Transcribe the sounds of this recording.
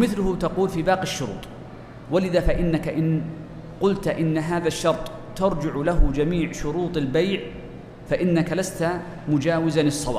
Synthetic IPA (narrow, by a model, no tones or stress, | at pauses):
mɪθlʊhʊt̪ɑquːlfiːbaːqɪʃːʊɾṵːt̪ˤ | walɪðafaʔɪnːakaʔɪn | qʊlt̪ʔɪnːaɦaːðaʃːɑɾˤt̪ˤ | t̪ɑɾˤd͡ʒɪʕlaɦʊd͡ʒamiːʕʃʊɾuːt̪ˤɪlbajʕ | faʔɪnːakalast̪a | mʊd͡ʒaːwɪzanɨsˤːɑwa̰ː